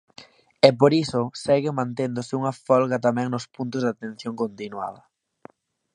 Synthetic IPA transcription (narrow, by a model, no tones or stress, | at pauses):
ɛp̬oɾisʊsɛɣɪmãnt̪end̪ʊsɪuŋɐfɔlɣɐt̪amɛ̃ŋnʊspunt̪ʊzðat̪ẽn̟θjoŋkont̪inwa̰ðɐ